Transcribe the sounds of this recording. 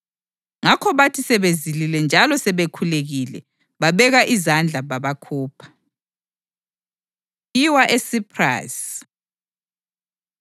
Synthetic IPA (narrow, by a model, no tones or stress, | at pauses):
ŋakʰɔβatʰisɛβezililɛnd͡ʒʱalɔsɛβekʰuleɣilɛ̰ | βaβɛɣaʔizand͡ɮʱaβaβakʰuːpʰḁ | iwaʔesipʰra̰s